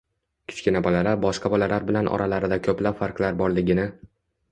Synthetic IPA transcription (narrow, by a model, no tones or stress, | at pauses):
kʲʰʊ̥t͡ʃʲkʲɪnabɒlalaɾbɒʃqɑbɒlalaɾbɪlanʔɒ̰ɾʔalaɾɪd̪akʲʰɵplapfaɾqlaɾbɒɾlɪɡʲɪnɪ